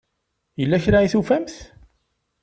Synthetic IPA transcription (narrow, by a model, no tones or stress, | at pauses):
jəlːæçɾaiθufæmθ